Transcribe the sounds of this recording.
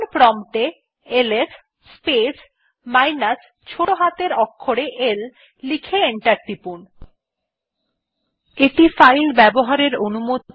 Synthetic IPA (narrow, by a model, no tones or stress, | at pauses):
npɾɔmʈe | eles | spes | majnas | t͡ɕʰoʈoɦat̪eɾɔkʰːoɽeʔel | likʰeeɳʈaɾʈ̪ipun | eʈifajlbɛboɦaɾeɾonumo